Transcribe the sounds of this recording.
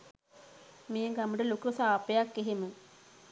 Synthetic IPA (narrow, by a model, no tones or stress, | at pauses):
mejəɡamuʈəlokusaːpejakːeɦemə